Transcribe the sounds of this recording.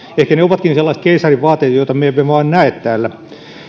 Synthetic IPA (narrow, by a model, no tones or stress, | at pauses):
ehkæneoʋɑt̪kinselːɑist̪̚keisɑriʋʋɑːt̪ːˑeːt̪joit̪ɑmeeʋeʋɑːnnæet̪t̪æːlːæ